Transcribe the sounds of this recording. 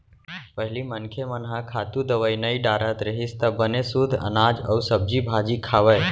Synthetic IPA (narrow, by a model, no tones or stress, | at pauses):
pəɦlimənkʰemənɦãkʰaːt̪ud̪əʋəjnəiɖaːɾət̪ɾəɦist̪əbənesud̪ʱə̰naːd͡ʒə̰usəb̚d͡ʒibʱad͡ʒikʰaːʋəj